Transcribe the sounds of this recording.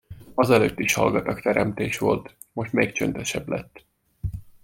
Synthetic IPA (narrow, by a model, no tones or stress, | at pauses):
ɒzɛløːt̪ːiʃhɒ̰lɡɒt̪ɒkt̪ɛɾɛmt̪eːʃʋo̞̰lt̪ | mo̞ʃt̪meːkt͡ʃønt̪ɛʃɛblɛt̪ː